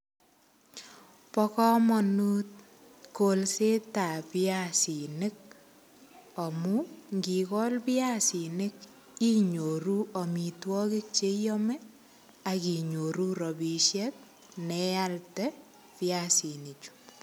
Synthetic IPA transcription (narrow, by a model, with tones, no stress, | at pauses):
pɔkɔ˦mɔnu˦t̚ | ko˨lse˦ta˨pɪ˦asi˨nɪ˦k̚ | ɔ˨muŋɡi˨kɔ˦lpi˦a˦si˨nɪ˦k | i˦ɲo˨ɾu˦ɔ˨mi˨twɔ˦ki˦k̚t͡ʃe˦jɔmɛ˦ | aki˨ɲo˨ɾu˦ɾɔ˨bi˨ʃjɛ˦t̚ | nɛ˦ja˦ltɛ | pɪa˨si˨ni˨t͡ʃu̥